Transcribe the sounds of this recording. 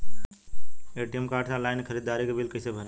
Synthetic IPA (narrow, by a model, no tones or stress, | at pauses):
eːʈijemkaːɾʈʰsãlaːɪnkʰəɾiːd̪aːɾikebɪlkəɪsebʱəne